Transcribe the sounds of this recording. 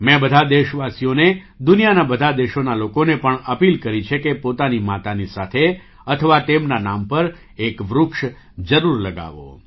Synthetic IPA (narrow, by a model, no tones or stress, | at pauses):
mɛ̃bəd̪ʱad̪eʃʋasijone | d̪ʊnijanabəd̪ʱad̪eʃonalokonepəɳəpilkəɾit͡ʃʰekepot̪animat̪anisat̪ʰe | ət̪ʰəʋat̪emnanampəɾ | ekʋɾʊkʃ | d͡ʒəɾuɾləɡa̰ʋo̰